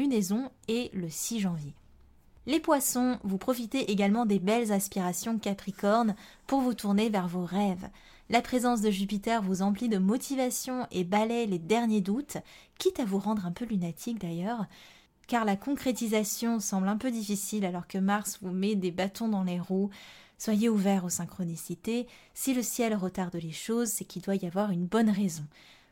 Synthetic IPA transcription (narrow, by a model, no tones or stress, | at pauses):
ynezɔ̃eləsiʒɑ̃vje | lepwasɔ̃vupχɔfit̪eʔeɡalmɑ̃d̪ebɛlzɛ̃spiʁasjɔ̃kapχikɔʁn | puʁvut̪ʰuʁnevɛʁvoʁɛv | lapχezɑ̃s̬d̪əʒyp̬it̪ɛʁvuzɑ̃plid̪əmɔt̪ʰivasjɔ̃ebalɛled̪ɛʁnjed̪ut̪ | kʲit̪avuʁɑ̃d̪ʁɛ̃pølynat̪ʰik̚d̪ajœʁ | kaʁlakɔ̃kχet̪izasjɔ̃sɑ̃blɛ̃pød̪ifisilalɔʁkəmaʁsvumɛd̪ebat̪ɔ̃d̪ɑ̃leʁuswajeuvɛʁosɛ̃kχɔnisit̪esiləsjɛlʁət̪aʁd̪leʃozsɛkʲild̪wajavwaʁynbɔnʁezɔ̃